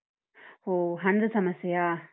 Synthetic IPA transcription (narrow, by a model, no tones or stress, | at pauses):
hoːɦɐnd̪ɨsɐmɐsijaː